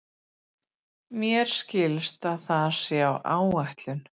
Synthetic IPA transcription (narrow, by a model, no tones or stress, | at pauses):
mjɛɾ̥scɪlst̪aðθaðsɛawʔa̰ːwaht̪lʏn